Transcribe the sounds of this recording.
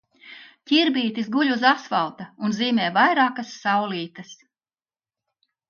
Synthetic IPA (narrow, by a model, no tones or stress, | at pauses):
cʲiɾbiːt̪isɡuʎʲuzasvalˠt̪ɐunziːmʲɛːvajɾaːkasːawliːt̪ɐs